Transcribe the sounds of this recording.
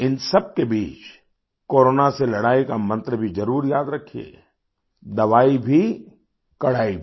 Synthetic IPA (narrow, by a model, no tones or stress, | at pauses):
ɪnsɐb̚kebiːt͡ʃ | koːɾoːnaselɐɽaːikamɐ̃nt̪ɾəbʱizɐɾuːɾjaːd̪ɾɐkʰiḛ | d̪ɐʋaːibʱi | kɐɽaːibʱ